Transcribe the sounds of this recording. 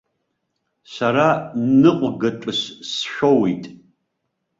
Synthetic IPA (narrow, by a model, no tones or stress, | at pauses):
saɾanɨqʷʼɡɐʈ͡ʂʼɨʃsʃᶣʷowijtʼ